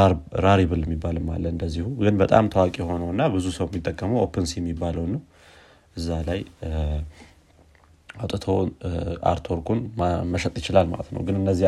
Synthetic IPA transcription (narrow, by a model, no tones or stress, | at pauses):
ɾaɾɛbɨljɛmːibːalɨmːa̰lːəɨnd̪əzːihuɡɨnbət̪ʼa̰mt̪ʰəwakʼijɛɦo̞nəwɨnːabɨzusəwjɛmːit̪ʼːəkʼːəməwopʰɨnsijɛmːibːaləwnːəw | ʔɨzːalaj | awt̪ʼət̪ʰoa̰ɾt̪ʰoɾkʰunməʃət̪ʼjɪt͡ʃɪlalma̰lət̪nə̰wɡɨnɨnːəzːi